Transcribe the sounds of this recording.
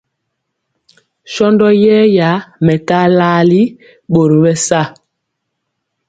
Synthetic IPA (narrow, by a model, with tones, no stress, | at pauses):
ʃɔ˦ndɔ˦jɛː˦ja˨˦mɛ˨ka˦la˦li˦ | ɓo˨ɾo˨ɓɛ˦sa˦˨